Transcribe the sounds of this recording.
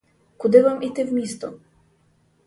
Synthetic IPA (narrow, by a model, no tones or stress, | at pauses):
kud̪ɘvamʔit̪ɘvmʲist̪ɔ̰